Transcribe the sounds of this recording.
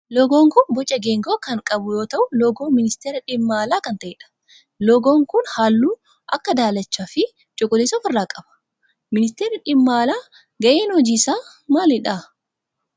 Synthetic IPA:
lɔɡoːŋkʊnbɔt͡ʃʼːɐɡeːŋɡoːkɐŋkʼɐbʊjoːt̪ɐʔʊlɔɡoːmɪnɪst̪eːɾɐᶑɪmːaːlaːkɐnt̪ɐʔeːᶑɐ̥ | lɔɡoːŋkʊnhaːlːuː | ʔɐkːɐd̪aːlɐt͡ʃːaːfɪ | t͡ʃʼɔɡʼʊleːsɔːfɪrːaːkʼɐb̥ɐ̥ | mɪnɪst̪eːɾɐᶑɪmːaːlaː | ɡɐʔeːnhɔd͡ʒiːsaː | maːlɪᶑa

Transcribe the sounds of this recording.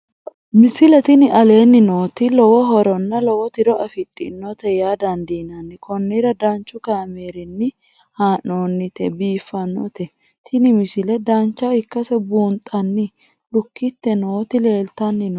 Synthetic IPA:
mɪsɪlɛt̪ɪnɪʔɐle̞ːnːɪnoːt̪ɪlɔwɔɦɔɾɔnːɐlɔwɔt̪ɪɾɔɐfɪt̪ʼːɪ̰nːɔt̪ɛjaːd̪ɐnd̪iːnɐnːɪkɔnːɪɾɐd̪ɐnt͡ʃːʊkaːmeːɾɪnːɪ | haːnːoːnːɪt̪ɛbiːfːɐnːɔ̰t̪ɛ | t̪ʰɪnɪmɪsɪlɛd̪ɐnt͡ʃːɐɪkːɐsɛbuːnt̪ʼːɐnːɪ | lʊkːɪt̪ːɛnoːt̪ɪle̞ːlt̪ɐnːɪnɔ

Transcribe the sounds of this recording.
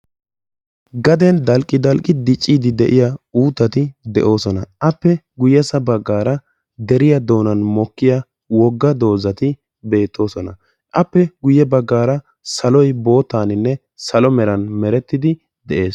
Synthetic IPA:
ɡɐd̪ɛnd̪ɐlkʼːɪd̪ɐlkʼɪd̪ɪt͡ʃʼːiːd̪ɪd̪ɛʔɪjauːt̪ːɐt̪ɪd̪ɛʔo̞ːsɔnɐʔɐpːɛɡʊjɛsɐbɐɡːaːɾɐ | d̪ɛɾɪjɐd̪o̞ːnɐnmɔkːɪja | wɔɡːɐd̪o̞ːzɐt̪ɪ | be̞ːt̪ʰːo̞ːsɔnɐ | ʔɐpːɛɡʊjɛbɐɡːaːɾɐ | sɐlɔjbo̞ːt̪ːaːnɪnːɛ | sɐlɔmɛɾɐnmɛɾɛt̪ːɪd̪ɪ | d̪ɛʔe̞ːs

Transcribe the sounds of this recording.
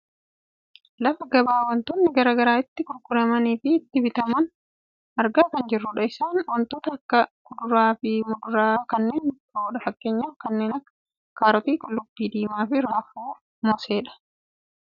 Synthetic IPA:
lɐfɐɡɐbaːwɐnt̪ɔːnːɪɡɐɾaːɡɐɾaːɪt̪ːɪkʊɾkʊɾɐmɐniːfɪːt̪ːɪbɪt̪ɐmɐn | ɐɾɡaːkɐnd͡ʒɪrːʊᶑɐɪsaːnwɐnt̪oːt̪ɐːkːɐkʊd̪ʊɾaːfɪmʊd̪ʊɾaːkɐnːe̞ːnt̪ɐoːᶑɐfɐkːe̞ːɲːaːfkɐnːe̞ːnɐkːɐ̥ | kaːɾɔt̪iːkʊlːʊbːiːd̪iːmaːfɪɾaːfuː | mɔse̞ːᶑɐ̥

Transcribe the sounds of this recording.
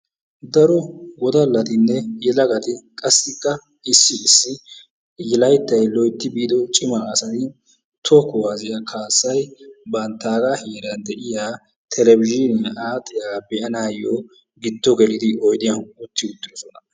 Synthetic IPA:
d̪ɐɾɔɡɔd̪ɐlːɐt̪ɪnːɛjɛlɐɡɐt̪ɪkʼɐsːɪkːɐ | ɪsːɪːsːɪ | ɪlɐjt̪ːɐjlɔjt̪ːɪbiːd̪ɔt͡ʃʼɪmɐːsɐt̪ɪ | t̪ʰɔkɔhɐzɪjɐkʰaːsːɐjbɐnt̪ːaːɡɐheːɾɐnd̪ɛʔɪjaː | t̪ʰɛlɛbɪd͡ʒɪnɪjʔaːt̪ʼːɪjaːbɛʔɐnaːjɔ | ɡɪt̪ːɔɡɛlɪd̪ɪʔɔjd̪ɪjɐnʊt̪ːɪʊt̪ːɪdɔsɔnɐ

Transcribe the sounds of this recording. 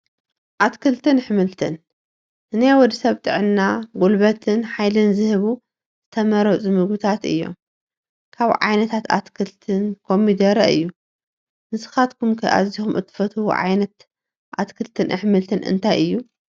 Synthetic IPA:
ʔat̪kʰɨlt̪ʰɨnɨħmɨlt̪ʰɨn | ʔɨnajwɔd̪isɐβt̪ʼɨʕɨnːaɡulβɐt̪ʰɨnħajlɨnzɨhɨβu | z̥ɨt̪ʰɐmɐɾɐt͡sʼumɨɡɨt̪ʰat̪ɨ̰jːo̞̰m | kʰaβʕa̰jnɐt̪ʰat̪a̰t̪kʰɨlt̪ʰɨnkʰo̞mːid̪ɐɾɐɨjːu | nɨsɨ̥xat̪kʰumkʰɐjʔa̰zːixumʔɨt̪ʰːɨ̥fɐt̪ʰuwṵʕa̰jnɐt̪ | ʔat̪kʰɨlt̪ʰɨnʔɨ̰ħmɨlt̪ʰɨnɨ̰nt̪ʰajɨjːu

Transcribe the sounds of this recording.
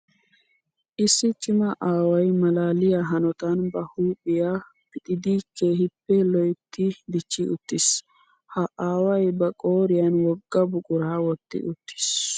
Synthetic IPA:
ʔɪsːɪt͡ʃʼɪmɐʔaːwɐjmɐlaːlɪjaːɦɐnɔt̪ɐnbɐhuːpʼɪjaː | pɪt̪ʼɪd̪iːkʰːeːhɪpːɛlɔjt̪ːid̪ɪt͡ʃːiʔʊt̪ːɪs | hɐʔaːwɐjbɐkʼoːɾɪjɐnwɔɡːɐbʊkʼʊɾaːwɔt̪ːɪ̰ʔʊt̪ʰːɪ̥s

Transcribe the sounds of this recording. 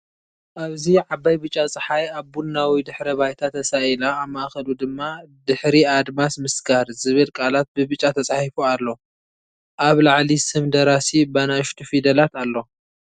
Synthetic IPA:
ʔaβziʕabːajbɨt͡ʃʼːat͡sʼɨħajaβbunːawid̪ɨħɾɐβajt̪ʰat̪ʰɐsailaːβmaʔxɐlud̪ɨmːad̪ɨħɾiad̪masmɨsɡaɾzɨβɨlkʼalat̪̚bɨbɨt͡ʃʼːat̪ʰɐt͡sʼaħifualːo̞ | ʔaβlaʕlisɨmd̪ɐɾasibanaʃt̪ʰufid̪ɐlat̪alːo̞

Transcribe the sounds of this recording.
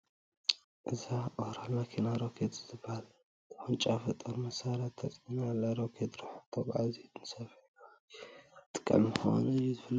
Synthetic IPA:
ʔɨzaʔohɾalmakʰenaɾokʰet̪ʼɨzɨbːahal | t̪ʰħunt͡ʃʼafɐt̪ʼɐɾmɐsaɾat̪ʰːɐt͡sʼinalaɾokʰet̪ʼɾaħt̪ʰobʕa̰zet̪nɨsɐfna | t̪ʼɨ̥kʼɐ̰lmɨxwo̰nɐjuzɨfɨlː

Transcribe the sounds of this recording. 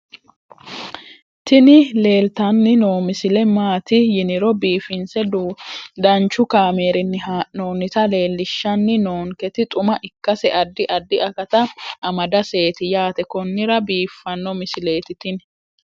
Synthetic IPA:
t̪ɪnɪle̞ːlt̪ɐnːɪnoːmɪsɪlɛmaːt̪ɪjɪnɪɾɔbiːfɪnsɛdd̪ɐnt͡ʃːʊkaːme̞ːɾɪnːɪhanoːnɪt̪ɐle̞ːlːɪʃːɐnːɪno̞ːŋkɛt̪ɪt̪ʼʊmɐʔɪkːɐsɛʔɐd̪ːɪʔɐd̪ːɪʔɐkɐt̪ɐʔɐmɐd̪ɐse̞ːt̪ɪjaːt̪ɛkɔnːɪɾɐbiːfːɐnːɔmɪsɪle̞ːt̪ɪt̪ɪn

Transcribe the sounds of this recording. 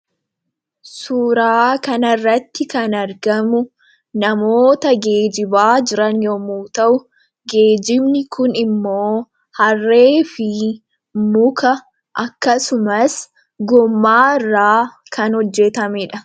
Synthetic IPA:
suːɾaːkɐnɐrːɐt̪ːɪkɐnɐɾɡɐmʊ | nɐmo̞ːt̪ɐɡe̞ːd͡ʒɪbaːd͡ʒɪɾɐnjomuːt̪ɐʔʊ | ɡe̞ːd͡ʒɪbnɪkʰʊnɪmːo̞ː | hɐrːe̞ːfɪ | mʊkɐ | ʔɐkːɐsʊmɐs | ɡɔmːaːɪrːaːkʰɐnhɔd͡ʒːɛt̪ɐmɪᶑɐ

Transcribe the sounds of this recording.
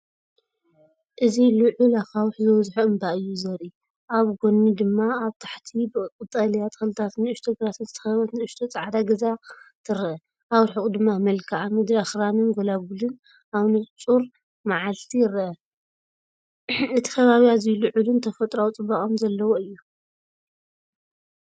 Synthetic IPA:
ʔɨzilɨʕulaxawħzɨwɔzħuɨmbaʔɨjːuzɐɾi | ʔaβɡonːid̪ɨmːaːβt̪ʰḁħt̪ʰibɨkʼɨt̪ʼalijat̪xɨlɨt̪ʰat̪nɨɨʃt̪ʰoɡɾat̪ɨzt̪ʰɨ̥xɐβɐt̪nɨɨʃt̪ʰot͡sʼaʕad̪aɡɐzat̪ʰɨɾɐʔɐ | ʔawɾħɨkʼud̪ɨmːamɐlkʰaʕamɨd̪ɾaxɾanɨnɡolaɡulɨn | aβnɨt͡sʼuɾ | maʕalt̪ʰijɪɾːɐʔɐ | ɨt̪ʰi̥kʰɐβaβiazlɨʕulɨnt̪ʰɐfɐt̪ʼɾawt͡sʼɨbakʼomzɐlːɐwoɨjːu

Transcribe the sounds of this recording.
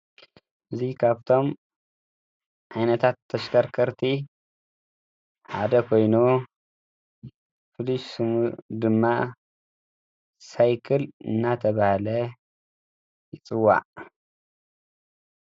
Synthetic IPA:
ʔɨzikʰaβt̪ʰo̞m | ʕajnɐt̪ʰat̪ʰːɐʃkʰɐɾkʰɐɾt̪ʰi | ħad̪ɐkʰo̞jnu | fɨliʃsɨmud̪ɨmːa | sajkʰɐlɨ̰nːat̪ʰɐβahlɐ | jɪt͡sʼɨwːa̰ʕ

